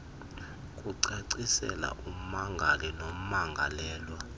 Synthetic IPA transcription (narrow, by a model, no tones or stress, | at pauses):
kʼuǀeǀisɛ̰la̰ʔum̩maŋɡʱalinom̩maŋɡʱa̰lɛːlwa